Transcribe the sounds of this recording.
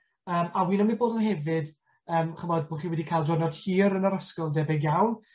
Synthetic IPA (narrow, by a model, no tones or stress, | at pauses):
əːmawiːnɔmiboːdənɦɛvɨd | əːmχəmɔd̚boχiːwɛdikʰajlˠdɔnɔd̥hiːɾənəɾəskɔlˠdɛbɛɡjawn